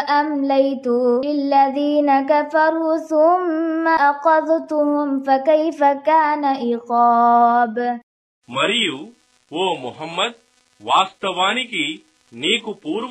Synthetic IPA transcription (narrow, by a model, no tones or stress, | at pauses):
ʔamlajt̪ʊɪlːaðiːnakafɑɾˤuːθʊmːaʔqɑðˤt̪ʊhʊmfakajfakaːnaʔɪqɑːb | mɐɾijuː | ʋoːmʊɦɐmːɐd̪̚ | ʋaːst̪ɐʋaːniki | neːkupuːɾ